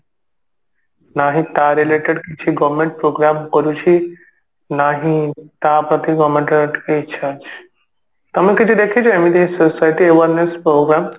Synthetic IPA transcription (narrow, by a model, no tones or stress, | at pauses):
naɦĩt̪aɾileʈeɖkit͡ʃʰiɡɔʋmẽɳʈ̚pɾoɡɾamkɔɾut͡ʃʰi | naɦĩt̪apɾət̪iɡɔʋmẽɳʈeʈket͡ʃʰat͡ʃ | t̪ɐmə̃kid͡ʒid̪ekʰit͡ʃʰamid̪esosajʈieʋəɾnespɾoɡɾam